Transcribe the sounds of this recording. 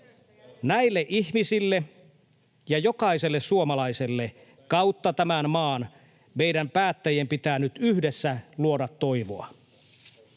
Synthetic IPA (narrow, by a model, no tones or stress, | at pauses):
næilːeʔiçmisilːe | jɑjo̞kɑiselːesuomɑlɑise̞lːe | kɑwt̪ːɑt̪æmænmɑːn | me̞idæmpæːt̪ːæjempit̪æːnyt̪yhdesːæluo̞dɑt̪ːo̞iʋo̰ɑ̰